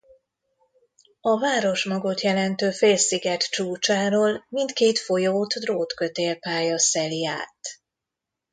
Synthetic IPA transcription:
ɒvaːɾo̞ʃmɒɡo̞t̪jɛlɛnt̪øːfeːlsiɡɛt̪t͡ʃuːt͡ʃaːɾoːlmint̪keːt̪fo̞joːt̪d̪roːt̪kø̞t̪eːlpaːjɒsɛlia̰ːt̪

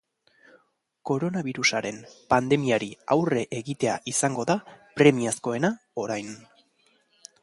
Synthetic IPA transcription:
ko̞ɾo̞naβiɾusaɾe̞npand̪e̞miaɾiawre̞ʔeɣit̪e̞a̰ʔisaŋɡo̞ðapɾe̞miasko̞e̞na | o̞ɾajn

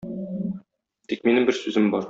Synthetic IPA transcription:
t̪ik̚minɘmbɘɾsʉzɘmbɒɾ

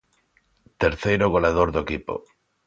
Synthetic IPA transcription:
t̪eɾθejɾʊɣ̞oleaðoɾðoekipo̰

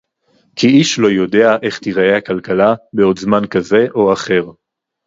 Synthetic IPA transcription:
kʰiiʃlo̞jo̞de̞aʔe̞χt̪iʁaehakalkalabeo̞d̪zmankaze̞ʔo̞aχe̞ʁ

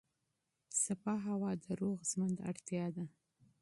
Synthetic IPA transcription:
sapɑɦawɑd̪əɾoɣzmənd̪a̰ɽt̪jɑd̪a

